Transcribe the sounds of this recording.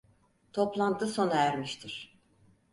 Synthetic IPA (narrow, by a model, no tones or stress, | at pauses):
t̪ʰo̞plˠand̪ɯso̞naæɾmiʃt̪ʰiɾ̥